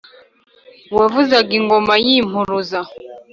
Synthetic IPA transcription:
wavuzaɡiŋɡɔmajim̥uɾuza

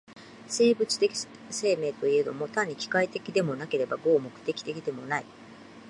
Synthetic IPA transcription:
se̞ːbɯt͡sɨ̥t̪ekʲi̥ | se̞ːme̞ːt̪o̞ie̞d̪o̞mo̞t̪aɲ̟ːikʲi̥kait̪e̞kʲid̪e̞mo̞nake̞ɾe̞baɡo̞ːmo̞kɯ̟̥t̪e̞kʲi̥t̪e̞kʲid̪e̞mo̞nai

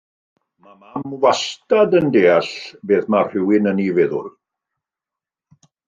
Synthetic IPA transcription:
mamamwastadəndeːaɬbeːðmar̥ɪwɪnənivɛðʊ̰r

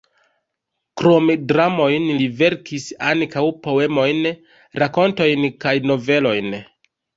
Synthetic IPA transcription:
kɾo̞mdɾamo̞jnlive̞ɾkʰisaŋkawpo̞e̞mo̞jn | ɾako̞nto̞jnkajno̞ve̞lo̞jn

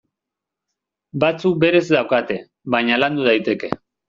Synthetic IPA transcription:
bat͡suk̚be̞ɾe̞zd̪awkat̪e̞ | βajɲaland̪uð̞ajt̪e̞ke̞

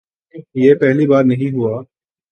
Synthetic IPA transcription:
jepɛɦlibaːɾnɐɦĩɦuaː

